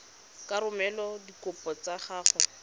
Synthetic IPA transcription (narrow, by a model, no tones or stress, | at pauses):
kaɾʊmɛlɔdikʊpɔt͡saχaːχʊ